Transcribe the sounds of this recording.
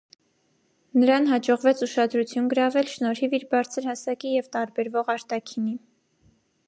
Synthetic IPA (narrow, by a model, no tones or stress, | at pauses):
nəɾɑnɦɑd͡ʒɔʁvɛt͡sʰuʃɑd̪ɾut͡sʰjunɡəɾɑvɛlʃnɔɾhiviɾbɑɾt͡sʰəɾhɑsɑkijɛvt̪ɑɾbɛɾvɔʁɑɾt̪ɑkʰini